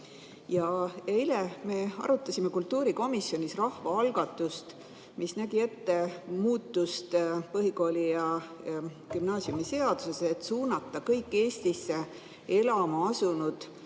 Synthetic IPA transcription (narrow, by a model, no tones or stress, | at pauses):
jɑeileme̞ɑ̰ɾut̪ˑːɑsimekult̪ˑːuːɾiko̞misːjo̞nʲisrɑhvɑɑlɡ̥ɑt̪ːˑust̪ | misnæɡ̥ie̞t̪ːe̞muːt̪ːust̪pɤɦiko̞ːlʲijɑ | kymnɑːsjumise̞ɑd̪̥useset̪ːˑsuːnɑt̪ːˑɑkɤjkːe̞ːsʲt̪isːe̞ | e̞lɑmɑɑsunud̪̥